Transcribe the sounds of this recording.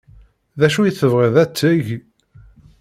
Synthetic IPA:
ðæʃujiθəvʁeðæt͡sːəʝ

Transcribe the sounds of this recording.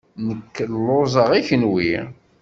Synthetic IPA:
nəkːlːozˤəʁiçənwi

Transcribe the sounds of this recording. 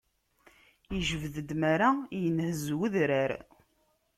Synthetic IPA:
əʒəvðəd̪maɾajənhəzwəðɾaɾ

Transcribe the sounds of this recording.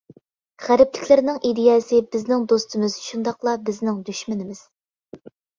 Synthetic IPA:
ʁæɾɪplɪkʲlɪɾnɪŋʔid̪ɪjɛːsɪbɪznɪŋd̪ost̪ʰɨmɪz̥ʃund̪ɑqlˠɑbɪznɪŋd̪yʃmɪnɪmɪz̥

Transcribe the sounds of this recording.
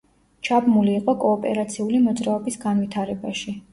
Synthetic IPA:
t͡ʃʰabmuliːqʼɔkʼɔːpʼɛ̰ɾat̪sʰiulimɔd̪zɾaɔbisɡanwit̪ʰaɾɛbaʃi

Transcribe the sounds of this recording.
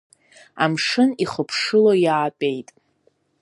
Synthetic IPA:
amʂɨniχəpʰʂɨlojaːpʼejtʼ

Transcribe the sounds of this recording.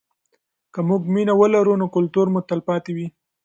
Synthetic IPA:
kəmuɡminawəlaɾunokʊlt̪uɾmut̪alpɑt̪ewi

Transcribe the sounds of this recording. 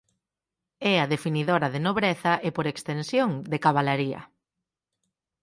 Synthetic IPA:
ɛaðefiniðoɾɐðenoβɾɛθɐʔepoɾekst̪ensjoŋd̪ekaβalaɾiɐ̰

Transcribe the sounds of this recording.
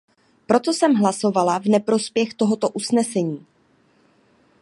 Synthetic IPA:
pɾo̞t̪o̞sɛmɦlaso̞valavnɛpɾo̞spjɛxt̪o̞ɦo̞t̪o̞ʔusnɛsɛɲiː

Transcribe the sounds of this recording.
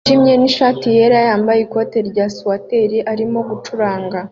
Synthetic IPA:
ʃimɲe̞niʃaːtije̞ɾajaːmbajeko̞te̞ɾɟaswate̞ɾiʔaɾimo̞ɡut͡ʃuɾaːŋɡa

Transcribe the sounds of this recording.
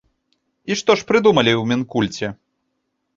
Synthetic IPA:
iʂt̪ɔʂpɾɨd̪umɐlʲiwmʲɛnkulʲt͡sʲɛ

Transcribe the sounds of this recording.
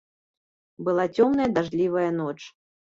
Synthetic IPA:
bɨlˠat͡sʲɔmnɐjɐd̪aʐlʲivɐjɐn̪ɔt͡ʂ

